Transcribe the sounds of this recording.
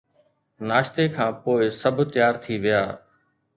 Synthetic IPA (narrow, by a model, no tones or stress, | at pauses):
naːʃt̪eːkʰãːpoːɪsəbʱt̪ɪjaːɾt̪ʰiːʋɪjaː